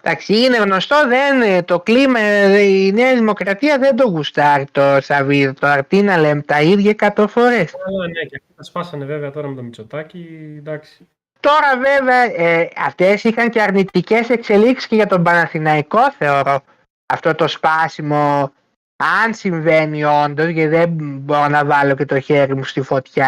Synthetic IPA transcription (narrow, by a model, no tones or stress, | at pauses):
d̪ɐksiine̞ɣno̞st̪o̞ðe̞nt̪o̞klimɐineɐðimo̞kɾɐt̪iɐðe̞nd̪o̞ɣust̪ɐɾit̪o̞sɐviðot̪oɐɾt̪inɐlemt̪ɐiðʝɐkɐt̪o̞fo̞ɾe̞snecɐft̪ot̪ɐspɐsɐneveveɐt̪o̞ɾɐmet̪omit͡sot̪ɐcid̪ɐksi̥ | t̪o̞ɾɐve̞ve̞ɐeɐft̪e̞sixɐŋce̞ɐɾnit̪ice̞se̞kse̞liksi̥sceʝɐt̪o̞mbɐnɐθinɐiko̞θe̞o̞ɾo̞ | ɐft̪o̞t̪o̞spɐsimo̞ | ɐnsiɱve̞nio̞nd̪o̞zʝeðebo̞ɾo̞nɐvɐlo̞ce̞t̪o̞çe̞ɾimust̪ifo̞t̪çɐ